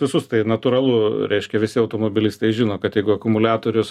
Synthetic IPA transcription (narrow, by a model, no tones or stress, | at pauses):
ʋʲɪsʊst̪ɐɪnɐt̪uːɾɐlˠʊɾʲʔɛɪʃʲkʲɛʋʲɪsʲɪɐʊt̪oːmobʲɪlʲɪsʲt̪ʲɛɪʒʲɪnoːkɐt̪jɛɪɡʊɐkʊmʊlʲæːt̪oːɾʲʊs